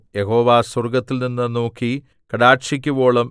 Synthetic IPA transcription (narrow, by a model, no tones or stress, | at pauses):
jeɦo̞ːʋaːswɐrɡɐt̪ːilninːɨnoːkːi | kɐɽaːʈʂikʲːubo̞ːɭɐm